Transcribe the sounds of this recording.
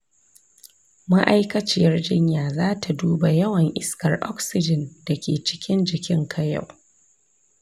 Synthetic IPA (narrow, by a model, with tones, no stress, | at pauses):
ma˦ʔa˦jkɐ˦t͡ʃɪ˦˨jɐ˦rd͡ʒɪ˦ɲjaː˨zaː˦tʰa˨duː˦ba˨jɐ˦wɐ˨ŋʔɪ˦skɐ˨rʔɔ̰˦ksɪ˦d͡ʒɪ˨nda˨kʲeː˨t͡ʃɪ̥˦kʲɪ˦nd͡ʒɪ˨kʲɪ˦ŋkʰɐ˦ja̰˨w